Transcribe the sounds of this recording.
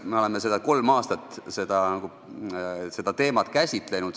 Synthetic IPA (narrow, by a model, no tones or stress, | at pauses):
meo̞le̞mes̬e̞d̪ɑko̞lmɑːst̪ɑt̪ːˑse̞d̪̥ɑnɑɡ̥u | se̞d̪̥ɑt̪e̞ːmɑt̪ˑkæsʲit̪ˑle̞nud̪